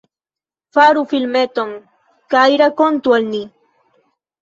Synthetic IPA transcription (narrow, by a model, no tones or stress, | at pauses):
faɾufilmet̪oŋ | kajɾakont̪walni